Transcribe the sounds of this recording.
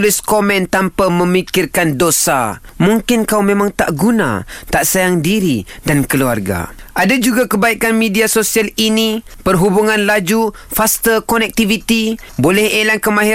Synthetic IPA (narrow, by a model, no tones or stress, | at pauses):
lʊskomɛ̃nt̪ampaməmikɪrkandosa̰muŋkɪnkawmẽmãŋt̪aʔɡuna̰t̪aʔsajaŋdiɾidankəluarɡa̰ʔadad͡ʒuɡakəbaikanmediasosialini | pərɦubuŋanlad͡ʒu | fast̪əkonɛk̚t̪ivit̪i | bolɛhelankəmãɦi